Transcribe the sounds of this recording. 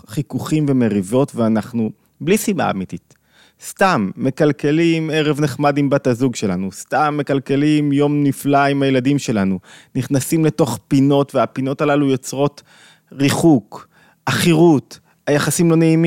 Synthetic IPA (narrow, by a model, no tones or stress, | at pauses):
χikuχimve̞meʁivo̞tveanaχnu | blisima̰a̰mitit | stamːe̞kalke̞lime̞ʁevneχmadimbatazuɡʃe̞lanustamːe̞kalke̞limjo̞mniflaimhajeladimʃe̞lanuniχnasimle̞to̞χpino̞tveapino̞talalujo̞t͡sʁo̞t | ʁiχuk | aχiʁut | hajaχasimlo̞ne̞imi